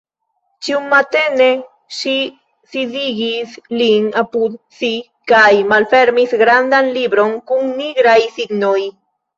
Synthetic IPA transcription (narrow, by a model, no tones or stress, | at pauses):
t͡ʃiumːat̪ene | ʃi | siðiɡisliŋapud̪si | kajmalfeɾmiθɡɾand̪anlibɾoŋkuŋniɡɾajθiɡnoj